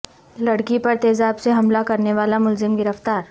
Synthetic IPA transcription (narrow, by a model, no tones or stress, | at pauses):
lɐɽkipɐɾt̪eːzaːbseɦɐmlakɐɾneʋaːlamʊlzɪmɡɪɾəft̪aːɾ